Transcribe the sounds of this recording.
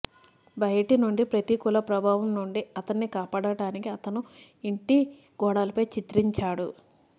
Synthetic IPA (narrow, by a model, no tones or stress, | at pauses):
bɐjɐʈinuɳɖipɾɐt̪ikulɐpɾɐbʱaːʋɐmnuɳɖiɐt̪ɐnːikaːpaːɽɐɽaːnikiɐt̪ɐnu | iɳʈi | ɡ̥ɔːɽaːlɐpɐjt͡ʃit̪ɾiɲt͡ʃaːɽu